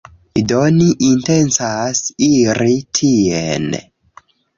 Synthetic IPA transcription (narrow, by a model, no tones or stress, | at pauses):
idoniʔintensasiɾitʰien